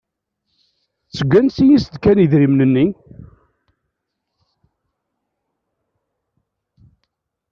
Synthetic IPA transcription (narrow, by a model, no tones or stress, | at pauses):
t͡sːəɡʷːænsijisəd̪kæniðɾimnənːi